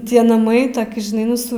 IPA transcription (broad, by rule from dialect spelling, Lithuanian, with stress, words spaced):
ˈtʲiɛ nɐˈmɐɪ ˈtoːkʲɪ ʒʲɪˈnɐɪ ˈnʊ sʊ